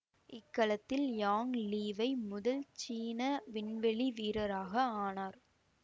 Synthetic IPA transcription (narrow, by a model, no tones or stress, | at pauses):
ɪkːɐɭɐt̪ːɪljaːŋliːʋɐɪmʊðɐlt͡ʃiːnɐʋɪɳʋɛɭiʋiːɾɐɾaːɣɐaːnaːɾ